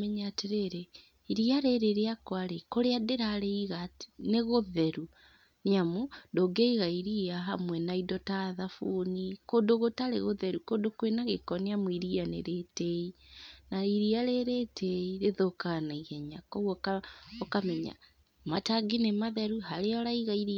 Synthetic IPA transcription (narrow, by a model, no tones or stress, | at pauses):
mɛɲateɾeɾe | iɾiaɾeɾeɾeakwaɾekoɾeadeɾaɾeiɣatneɣoðɛɾu | niamodoɡɛiɣaiɾiaɦamwɛnaidɔtaðafunikodoɣotaɾḛɣoðɛɾukodokowenaɣekɔneamuiɾianḛɾetɛinaiɾiaɾeɾetʰɛiɾeðokanaiɣɛɲakoɣokaɔkamɛɲa̰ | mataɡinemaðɛɾuɦaɾeɔɾaiɣaiɾi